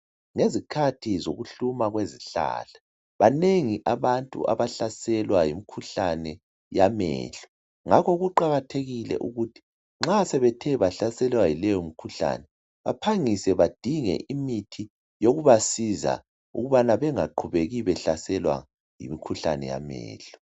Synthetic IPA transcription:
ŋezikʰatʰizoɣuɬumaɣweziɬa̰ɬḁ | βaneŋiʔaβantʼṵa̰βaɬasɛlwajimikʰuɬanɛ | jamɛ̰ːɬɔ̥ | ŋakʰɔɣuǃaɣatʰeɣilɛ̰ʔuɣutʰi̥ | ŋ͡ǁasɛβɛtʰɛβaɬasɛlwajilɛjomikʰuɬa̰ːnɛ | βapʰaŋisɛβad̥ʱiŋɛ̰ʔimitʰi | joɣuβasiza̰ | ṵɣuβanaβɛŋaǃʰuβeɣiβɛɬasɛlwa̰ | jḭmikʰuɬa̰nɛ̰ja̰mɛ̰ːɬɔ̥

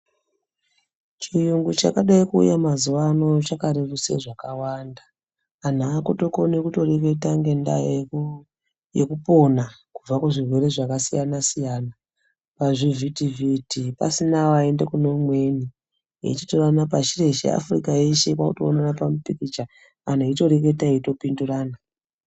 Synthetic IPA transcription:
t͡ʃijuŋɡut͡ʃakaɗaikṵːjamazuʋano̞t͡ʃakaɾeruse̞̰ʐakawandaː | n̤aːkoto̞ko̞nekuto̞reke̞taŋɡe̞nda̰jo | jekupo̞nakub͡vakuʐirwe̞ɾe̞ʐakasijanasijaːna | paʐivitivitipa̰sinaʋae̞ndekunomwe̞ːni | ḛit͡ʃi̥toranapat͡ʃire̞ʃḛa̰furikaeʃekwa̰kuto̰o̰nanapamupikit͡ʃaː | n̤aito̞ɾe̞k̬e̞taeito̞pinduraːna

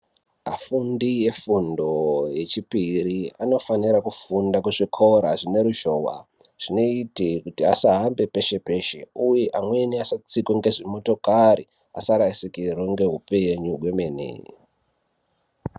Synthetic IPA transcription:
a̰fundije̞fundo̞je̞t͡ʃipiɾiano̞faniɾakufundakeʐikʰo̞ɾaʐine̞ɾuʃo̞ːwa̰ | ʐ̥ino̞itikutiasaɦambe̞pe̞ʃe̞pe̞ʃe̞̰uje̞ʔamwe̞niasat͡sikweŋɡe̞ʐimo̞to̞kari | a̰saɾaisikirwoŋɡe̞ɦupe̞ɲurwe̞menḛ

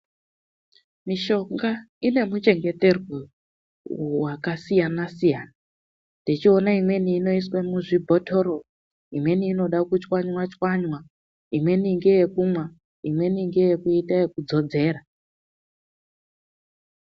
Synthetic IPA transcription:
miʃo̞ŋɡa | ine̞mut͡ʃe̞ŋɡe̞te̞rwo | wakasijanasijaːna | ndit͡ʃio̞naimwe̞niːno̞iswemuʐibʱo̞tʰoɾo | imwe̞niːno̞ɗakut͡ʃwaɲwat͡ʃwaɲwa | imwe̞niŋɡejekumwa | imwe̞niŋɡejekuitajekud͡zo̞d͡ze̞ːɾa

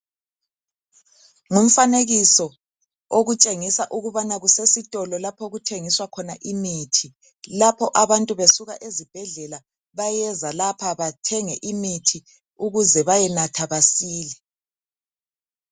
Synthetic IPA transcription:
ŋum̩faneɣisɔ | oɣut͡ʃʼeŋisaʔuɣuβanaɣusesitʼɔlɔlapʰoɣutʰeŋiswakʰɔnaʔimiːtʰi | lapʰɔʔaβantʼuβesuɣaʔezib̥ʱɛɮɛla | βajɛzalapʰaβatʰɛŋɛʔimitʰi | uɣuzɛβajɛnatʰaβasiːlɛ

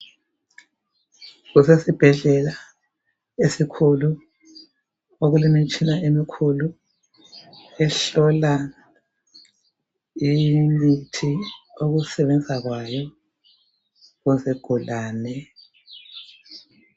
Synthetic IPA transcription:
ɣusesib̥ʱɛɮɛla | esikʰulu | oɣulimint͡ʃʼinaʔemikʰulu | ɛɬɔla | imitʰioɣusɛβɛnd͡zʱaɣwajɔ | ɣuzɛɡ̥ʱulaːnɛ

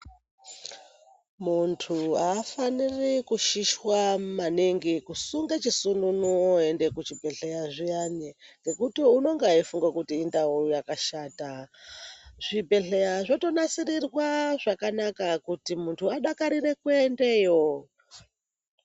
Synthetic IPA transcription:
muntʰuaːfanirikuʃiʃwamaniŋɡikusuŋɡet͡ʃisununuoe̞nde̞kut͡ʃibʱe̞ɬejaʐijaɲeŋɡe̞kutiuno̞ŋɡaifuŋɡakutiːndauujakaʃaːta | ʐ̥ibʱe̞ɬejaʐo̞to̞nasirirwaʐakanakakutimuntʰuaɗakaɾire̞kuendeːjo

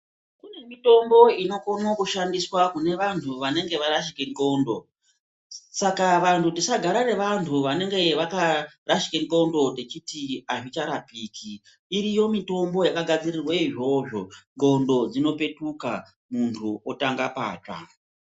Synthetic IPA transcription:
kune̞mito̞mbo̞ino̞konokuʃandiswakune̞ʋantʰuʋane̞ŋɡe̞ʋaɾaʃikeŋko̞ndo̞ | sakaʋantʰutisaɡʱaɾare̞ʋantʰuʋane̞ŋɡe̞ʋakaraʃi̥keŋko̞ndo̞te̞t͡ʃitiaʐit͡ʃaɾapiːkʰiː | ɾijo̞mito̞mbo̞jakaɡʱad͡zirirweiʐo̞ʐo̞ŋɡo̞ndo̞d͡zino̞pe̞tuka̰ | muntʰuotaŋɡapa̰ːt͡ʂa̰

